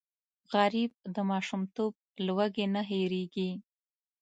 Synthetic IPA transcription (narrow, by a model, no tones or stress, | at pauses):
ɣaɾib̚d̪əmɑʃumt̪ob̚lwaɡenaɦeɾeɡi